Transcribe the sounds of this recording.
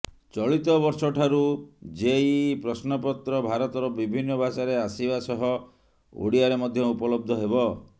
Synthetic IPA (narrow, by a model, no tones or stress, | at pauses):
t͡ʃɔɭit̪ɔbɔɾsɔʈʰaɾud͡ʒeipɾɔsnɔpɔt̪ɾɔbʱaɾɔt̪ɔɾɔbibʱinːɔbat͡ʃaɾeasibasɔɦɔ | o̰ɽiaɾemɔd̪ʱjɔupɔlɔb̚d̪ʱɔɦebɔ